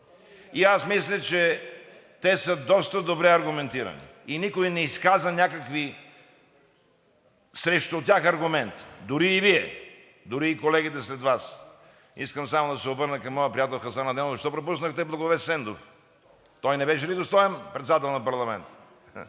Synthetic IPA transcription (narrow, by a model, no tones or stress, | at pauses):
iasmislʲɛt͡ʃɛ | t̪ɛsəd̪ɔst̪əd̪obɾɛɐɾɡʊmɛnt̪iɾɐ̰nḭinikoinɛiskazɐnʲakɐkvi | sɾɛʃt̪ʊt̪ʲaxɐɾɡʊmɛnt̪d̪ʊɾiːviɛ | d̪ʊɾiːkolɛɡ̟it̪ɛslɛd̪vas | iskəmsamod̪ɐsɛobɤɾnəkɐmːɔjəpɾiat̪ɛlˠxɐsanɐd̪ɛnzɐʃt̪ɔpɾop̬usnəxt̪ɛblˠɐɡovɛsɛnd̪of | t̪ɔjnɛbɛʃ̬ɛlid̪ost̪ɔɛnpɾɛt̪sɛd̪at̪ɛlˠnɐpɐɾlˠɐmɛ̰nt̪